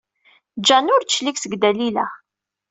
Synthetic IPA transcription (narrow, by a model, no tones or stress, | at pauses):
d͡ʒænʊɾʃliksəɡd̪ælilæ̰